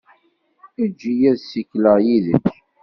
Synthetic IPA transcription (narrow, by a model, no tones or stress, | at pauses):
id͡ʒːijæðsikləʁjiðə̰mç